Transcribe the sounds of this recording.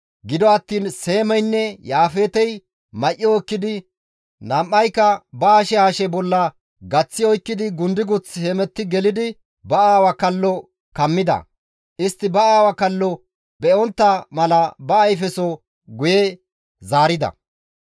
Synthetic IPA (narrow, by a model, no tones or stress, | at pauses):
ɡɪd̪ɔɐt̪ːiːnse̞ːmɛjnːɛjaːfeːt̪ɛj | mɐʔːɪɔkːɪd̪ɪ | nɐmʔːɐjkːɐbɐaːʃɛhaːʃɛbɔlːɐ | ɡɐt͡sːɪɔjkːɪd̪ɪɡʊnd̪ɪɡʊt͡sːhemɛt̪ːɪɡɛlɪd̪ɪ | bɐaːwɐkɐlːɔ | kɐmːɪd̪ɐ̰ | ʔɪst̪ːɪbɐaːwɐkɐlːɔ | bɛɔnt̪ːɐmɐlɐbɐːjfɛsɔ | ɡʊjɛ | zaːɾɪd̪ɐ̰